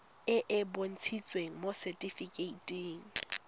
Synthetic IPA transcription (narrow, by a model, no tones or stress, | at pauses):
ɪʔɪbon̩t͡sʰit͡sʼweŋ̩mosɛtʼifikʼeitʼeːŋ̩